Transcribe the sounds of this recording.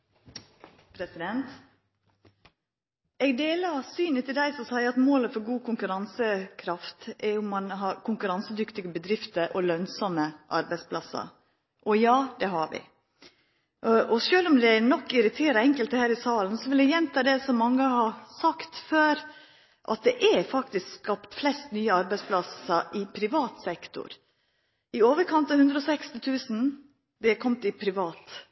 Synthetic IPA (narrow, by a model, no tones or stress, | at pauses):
pʰɾɛsɪd̪ɛnt̪ | ɛɡd̪eːlɑsyːnət̪ʰɪld̪æɪsɔmsæɪəɑt̪moːləfɔɾɡuːkʰʊŋkʉɾɑnsəkʰɾɑft̪ɛɾʊmːɑnɦɑɾkʰʊŋkʉɾɑnsəd̪ʏkt̪ɪɡəbəd̪ɾɪft̪əɾʔɔlœnsɔməʔɑ̰ɾbæɪspʰlɑsɑ̰ | ʔɔjɑːd̪ɛɦɑʋɪ̰ | ɔʃøːlɔmd̪ɛænɔkːɪɾɪt̪ʰeːɾəɛŋkəlt̪əhæːɾɪsɑːln̩sɔʋɪld̪æjɛnt̪ʰɑːd̪ɛsɔmɑŋːəhɑsɑkt̪føːɾ | ʔɑ̰t̪̚d̪ɛʔæfɑkt̪ɪskskɑpt̪flɛst̪nyːəɑɾbæɪspʰlɑsəʔɪpʰɾɪʋɑːt̪sɛkt̪ʊ̰ɾ | ɪoːʋəɾkʰɑnt̪ɑhʉnd̪ɾəɔsɛkst̪ɪt̪ʰʉːsn̩ | d̪ɛkʰɔmt̪ɪpʰɾɪʋɑːt̪